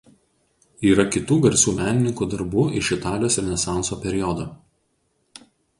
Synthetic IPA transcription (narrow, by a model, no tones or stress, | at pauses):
iːɾɐkʲɪt̪uːɡɐɾʲsʲuːmʲæːnʲɪnʲɪŋkuːd̪ɐɾbuːɪʃɪt̪ɑːlʲɪjoːsɪɾʲɛnʲɛsɑˑnsoːpʲɛɾʲɪjɔd̪oː